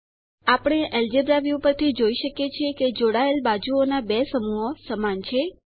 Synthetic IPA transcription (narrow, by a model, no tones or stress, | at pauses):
apɽ̃eʔɛld͡ʒebɾaʋjupəɾt̪ʰid͡ʒoiʃəkjet͡ʃʰeked͡ʒoɽaelbad͡ʒuonabesəmuɦosəmant͡ʃʰe